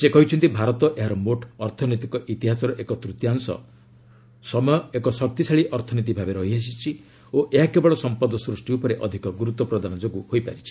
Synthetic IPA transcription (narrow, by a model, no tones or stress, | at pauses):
sekɔɦit͡ʃʰɔnt̪ibʱaɾɔt̪ɔʔeɦaɾɔmoʈʰɔɾt̪ʰɔnit̪ikɔʔit̪iɦasɔɾɔʔekɔt̪ɾut̪jaŋsɔ̰ | sɔmɔjɔekɔsɔk̚t̪isaɭiʔɔɾt̪ʰɔnit̪̬ibʱabeɾɔɦiɦas̬it͡ʃʰi | oʔeɦakebɔɭɔsɔmpɔd̪ɔsɾusʈiupɔɾeʔɔd̪ʱikɔɡuɾut̪ːɔpɾɔd̪anɔd͡ʒoɡuhojpa̰ɾit͡ʃʰi̥